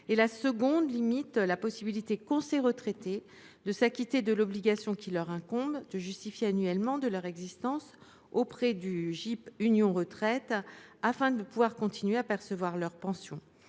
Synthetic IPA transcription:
elasəɡɔ̃d̪limit̪lapɔsibilit̪ekɔ̃seʁət̪χɛt̪e | d̪əsakʲit̪ed̪əlɔbliɡasjɔ̃kʲilœʁɛ̃kɔ̃bd̪əʒyst̪ifjeanɥɛlmɑ̃d̪əlœʁɛɡzist̪ɑ̃s | opχɛd̪yʒipynjɔ̃ʁət̪χɛt̪afɛ̃d̪əpuvwaʁkɔ̃t̪ʰinɥeapɛʁsəvwaʁlœʁpɑ̃sjɔ̃

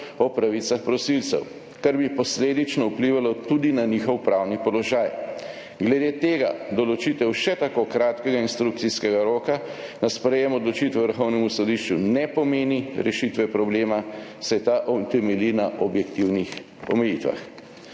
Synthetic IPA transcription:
ɔpɾaʋit̪saxpɾɔsilt̪sɛ̰w | kaɾbipɔsleːd̪it͡ʃnɔupliʋalɔt̪ud̪inanixɔwpɾawnipɔlɔʒaːj | ɡlɛd̪eːt̪eːɡa̰d̪ɔlɔt͡ʃit̪ɛwʃɛt̪akokɾaːt̪kɛɡainst̪ɾuk̚t̪siskɛɡaɾoːkanaspɾɛjɛmɔd̪lɔt͡ʃit̪ʋɛʋəɾxɔwnɛmusɔd̪iʃt͡ʃunɛpɔmeːniɾɛ̰ʃit̪ʋɛpɾɔbleːmasɛt̪aʔɔt̪ɛmɛlinaʔɔbjɛkt̪iwnix | ɔ̰mɛjit̪ʋa̰x

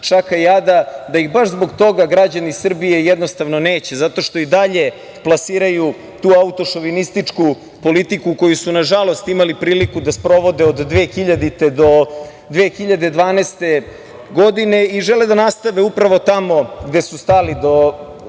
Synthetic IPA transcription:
t͡ʃakajad̪ad̪aixbaʃzbo̞ɡt̪o̞ɡaɡɾad͡ʑanisr̩bije̞jɛd̪nost̪aʋnoneːt͡ɕezat̪o̞ʃt̪o̞id̪aʎe̞ | plˠasiːɾaju | t̪uːaut̪o̞ʃoʋinist̪it͡ʂku | po̞lit̪ikuko̞jusunaʒalˠo̞st̪imalipɾiːlikud̪aspɾo̞ʋo̞d̪eod̪ːʋeːxiʎad̪it̪ed̪o̞ | d̪ʋeːxiʎad̪e̞d̪ʋaːnest̪e̞ | ɡo̞d̪ine̞iʒeled̪anast̪aʋeupɾaʋo̞t̪amo̞ɡd̪esust̪alid̪o̞

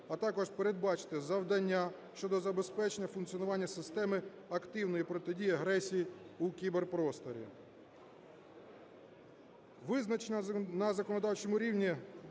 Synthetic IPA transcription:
ɐt̪ɑkɔʐpeɾed̪̚bɑt͡ʃɪ̥t̪ɪzɐwd̪ɐnʲːa | ʃt͡ʃɔd̪ɔzɐbe̞spɛt͡ʃenʲːɐfʊnk̪t͡sʲiɔnʊʋɑnʲːɐsɪst̪ɛmɪ | ɐkt̪ɪwnɔjipɾɔt̪ɪdʲijɐɦɾɛsʲijiukʲiberpɾɔst̪ɔɾʲḭ | ʋɪznɐnɐzɐkɔnɔd̪ɑwt͡ʃɛmʊɾʲiwnʲi

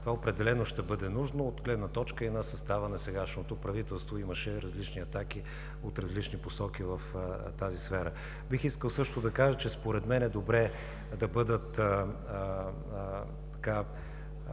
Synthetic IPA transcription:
t̪ovaopɾɛd̪ɛlɛnoʃt̪ɛbɤd̪ɛnuʒnoot̪ɡlɛd̪nɐt̪ɔt͡ʃkəinɐsɐst̪avənɐsɛɡaʃnot̪opɾɐvit̪ɛlˠst̪voiməʃɛɾɐzlit͡ʃniɐt̪ak̟i | ot̪ɾɐzlit͡ʃniposɔk̟ivɐft̪azisfɛɾə | bixiskəlˠsɤʃt̪od̪ɐkaʒət͡ʃɛspoɾɛd̪mɛnɛd̪obɾɛ | d̪ɐbɤd̪ət̪ | t̪ɐ̥ka

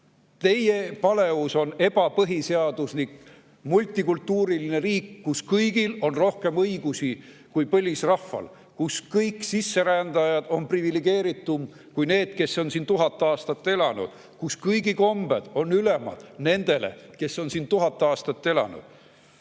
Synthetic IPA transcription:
t̪e̞je̞pɑle̞vuso̞ne̞b̥ɑpɤɦiseɑd̪̥uslik | mulʲt̪ːˑikult̪ːuːɾiline̞ɾiːkːuskɤjɡ̥ilo̞nro̞hke̞mɤjɡ̥usi | kujpɤlʲisrɑfːɑ̰l | kuskɤjksisːe̞ɾænd̪ɑjɑd̪̥o̞nprivileɡ̥ie̞ːɾit̪ːˑum | kujne̞ːd̪̥ke̞sːo̞nsiːnt̪uɦɑt̪ːˑeɑːst̪ɑt̪ˑːe̞lɑnṵd̪̥ | kuskɤjɡiko̞mb̥ed̪̥o̞nːylemɑ̰d̪̥ne̞nd̪̥e̞lḛke̞sːo̞nsiːnt̪uɦɑt̪ːˑeɑːst̪ɑt̪ːe̞lɑ̰nṵd̪̥

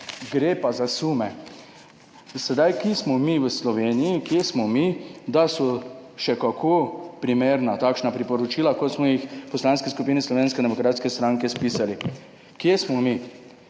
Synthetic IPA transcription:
ɡɾeːpazasuːmɛ | sɛd̪ajkismɔmiʋəslɔʋeːnijikjesmɔmid̪asɔʃɛkakʰopɾimeːɾnat̪aːkʃnapɾipɔɾɔt͡ʃiːlakɔt̪smɔjixpɔslaːnskɛskupiːnɛslɔʋeːnskɛd̪ɛmɔkɾaːt̪skɛst̪ɾaŋkɛspiːsali | kjesmɔmi

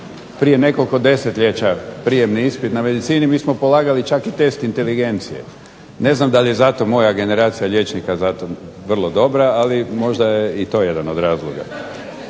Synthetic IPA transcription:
pɾije̞ne̞ko̞lko̞d̪e̞set̪ʎʲe̞t͡ɕapɾije̞mniispit̪name̞d̪it̪siːnimiːsmo̞po̞lˠaːɡalit͡ʃakit̪e̞st̪int̪e̞liɡe̞nt̪sijḛ | ne̞znamd̪aʎje̞zat̪o̞mo̞jaɡe̞ne̞ɾaːt̪sijaʎe̞t͡ʃnikazat̪o̞ | ʋr̩lˠo̞d̪o̞bɾaːlimo̞ʒd̪ajeit̪o̞je̞d̪anod̪ɾaːzlˠo̰ɡa̰

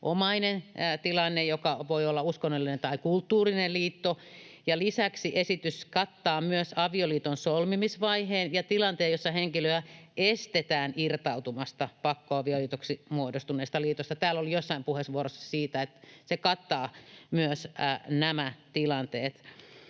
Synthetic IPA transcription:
ʔomɑinent̪ilɑnːejokɑʋoiolːɑuskonːolːinent̪ɑikult̪ːuːrinelliːt̪ːojɑlisæksiʔesit̪yskɑt̪ːɑːmyøsɑʋioliːt̪onsolmimisʋɑiheːnjɑt̪ilɑnt̪eːjosːɑheŋkiløæest̪et̪æːnirt̪ɑut̪umɑst̪ɑpɑkːoɑʋioliːt̪oksimuodost̪uneˑːst̪ɑliːt̪ost̪ɑt̪æːlːolijosːɑimpuhesʋuorosːɑ̥siːt̪æet̪sekɑt̪ːɑːmyøsnæmæt̪ilɑnt̪eːt̪

